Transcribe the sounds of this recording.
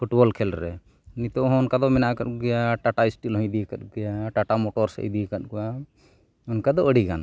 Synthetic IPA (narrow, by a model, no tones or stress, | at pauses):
pʰuʈbɔlkʰɛlɾɛ̰ | nit̪ɔɦɔnkad̪ɔmɛnaʔkat̪̚ɡɛjaʈaʈaisʈilɦɔ̃d̪ikat̪̚ɡɛjaʈaʈamɔʈɔɾsə̰jd̪ikat̪̚ɡɔja | ɔnkad̪ɔəɽiɡan